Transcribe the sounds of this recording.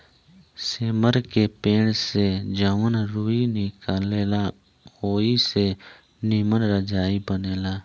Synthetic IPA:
seːməɾkepẽːɽsed͡ʒəʋənɾuːinɪkaːleːla | oːise | nɪmənɾəd͡ʒaːibəneːlaː

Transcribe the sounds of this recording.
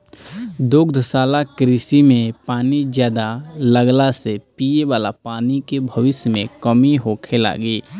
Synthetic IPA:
d̪oːɡd̪ʱəsaːlakɾiːsimẽpaːnid͡ʒjaːd̪aləɡlasepiːjewaːlapaːnikebʱəʋɪsjəmẽkəmiɦoːkʰela̰ːɡiː

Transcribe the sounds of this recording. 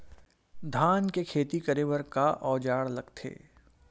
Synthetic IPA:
d̪ʱaːnkekʰeːt̪ikɐɾeːwəɾkaʔɔːd͡ʒaːɽlɐɡt̪ʰḛː

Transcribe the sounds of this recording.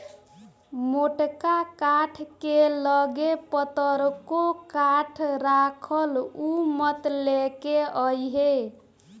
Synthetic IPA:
moʈkakaʈʰkeləɡepət̪əɾkokaʈʰɾakʰəlumət̪lekeəjɦe

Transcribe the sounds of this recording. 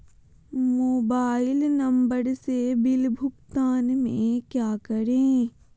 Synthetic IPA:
moːbaːɪlnɐ̃mbəɾsebɪlbʱʊkt̪aːnmḛ̃kjaːkəɾẽː

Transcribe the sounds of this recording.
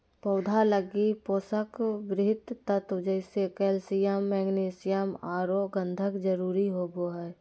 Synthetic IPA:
pəʊd̪ʱaləɡipoːsəkbɾɪɦɪt̪ːət̪od͡ʒəɪsekɛːlsijəmːɛːɡneːsɪjəmaːɾoɡə̃nd̪ʱəkd͡ʒəɾuːɾiɦoboːɦɛː

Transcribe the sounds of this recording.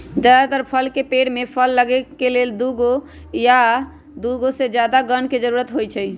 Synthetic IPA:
d͡ʒ̪ət̪əɾpʰəlkepeɽmepʰəlːəɡɛkeleld̪uɡo | ja | d̪uɡosed͡ʒjad̪aɡənked͡ʒəɾuɾət̪ɦojt͡ʃʰɛj

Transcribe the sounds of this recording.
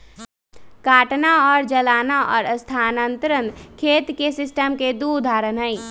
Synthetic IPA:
kaːʈnaɔːɾd͡ʒəlaːnaʔɔːɾəst̪ʰaːnənt̪ɾənkʰeːt̪kesɪsʈəmked̪ud̪ʱaːɾənɦəi

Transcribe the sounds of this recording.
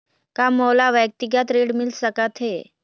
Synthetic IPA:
kamolaʋjək̚t̪iɡjat̪ɾeɽmilsəkat̪ʰɦe

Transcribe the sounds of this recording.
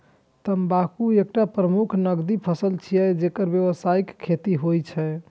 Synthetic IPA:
t̪əmbakuek̚ʈapɾəmukʰnəɡd̪ipʰəsəlt͡ʃʰijɛd͡ʒekəɾbjeʋəsaikʰːet̪iɦojt͡ʃʰɛ

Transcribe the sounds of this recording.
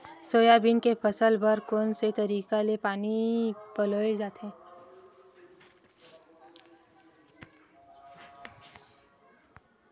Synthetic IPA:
soːjabinkepʰəsəlbəɾkoːnset̪əɾiːkalepaːnipəloːed͡ʒaːt̪ɛ̃ː

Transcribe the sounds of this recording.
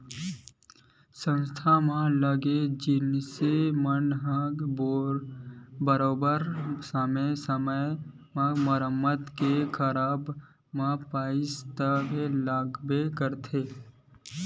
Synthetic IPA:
sə̃nst̪ʰamãləɡed͡ʒɪnsemənɦə̃ɡb | bəɾoːbəɾsəmesəmə̃ | məɾəmːət̪kekʰəɾaːb | mãpaːɪst̪əbelaːɡbekəɾt̪ʰeː

